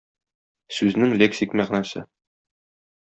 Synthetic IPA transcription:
sʉznɘŋlʲeksʲikmæʁnæsɘ̰

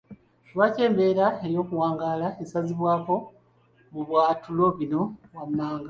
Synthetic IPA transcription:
wace̞ːmbe̞ːɾaeɾjo̞ːkuwaːŋɡaːlaesaziβwaːko̞ | muβwaːtulo̞βino̞wamːaːŋɡa

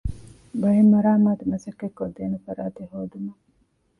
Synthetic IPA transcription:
bɐjemːɐɾaːmaːd̪emɐsɐkːekːod̪eːnufɐɾaːt̪eɦoːd̪umɐ

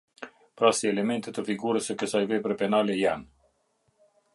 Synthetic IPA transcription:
pɾasiɛlɛmɛnt̪ɛt̪əfiɡuɾəsəkəsajvɛpɾɛpɛnalɛjan

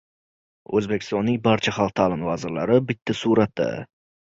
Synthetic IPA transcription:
ɵ̰zbekʲʰɪ̥st̪ɒnːɪŋʲbaɾt͡ʃʰaχɑlˠq̚t̪ʰalɪnvaːzɪɾla̰ɾɪbɪt̪ʰːasuɾat̪d̪ːɪ̰

